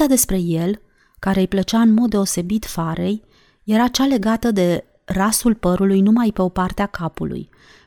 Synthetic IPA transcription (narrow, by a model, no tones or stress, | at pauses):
ad̪e̞spɾe̞je̞l | kaɾe̞jplət͡ʃaɨnmo̞d̪̚ːeo̞se̞bit̪faɾe̞j | je̞ɾat͡ʃale̞ɡat̪əd̪e̞ | rasulpəɾulujnumajpe̞o̞part̪eakapṵlṵj